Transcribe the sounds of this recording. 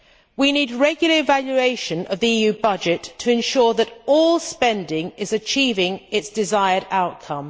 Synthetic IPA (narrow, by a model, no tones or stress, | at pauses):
winiːdɹɛɡjl̩ˠəɹɪvaljʉeɪʃə̃nəvðiiːjʉːbʌd͡ʒɪtʰəɪ̃nʃɔɹðəɾɔːlˠspɛ̃ndɪ̃ŋɪzət͡ʃʰiːvɪ̃ŋɪtsd̥ɪzaɪəɾaʊʔ̚kʰʌ̃m